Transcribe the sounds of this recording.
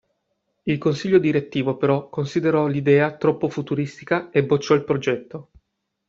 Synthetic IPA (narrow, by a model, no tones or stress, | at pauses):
ilkonsiʎːod̪iɾet̪ːiːvopeɾɔkːonsid̪eɾɔlid̪ɛːat̪ɾɔpːofut̪uɾist̪ikaebot͡ʃːɔilpɾod͡ʒɛt̪ːo